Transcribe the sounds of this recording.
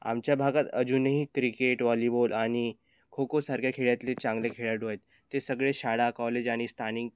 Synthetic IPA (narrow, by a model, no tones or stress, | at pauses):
a̰mt͡ɕjabʱaɡat̪əd͡ʑunəɦikɾikeʈʋɔlibolaɽ̃i | kʰokosaɾkʰjakʰeɭjat̪let͡ɕãŋɡlekʰeɭjaʈɦojet̪ːesəɡɭeɕaɽakɔled͡ʑaɽ̃ist̪ʰaniŋɡ